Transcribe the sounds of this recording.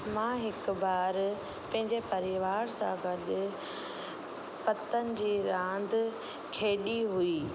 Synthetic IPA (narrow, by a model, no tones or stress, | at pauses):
mãːɦɪkʊbaːɾ | pɐ̃ɦɪ̃ɲd͡ʑepɐɾɪʋaːɾsã̰ɡʱɐɗʊ | pɐt̪ənɪ̆d͡ʑiːɾãːnd̪ | kʰeːɗiɦuiː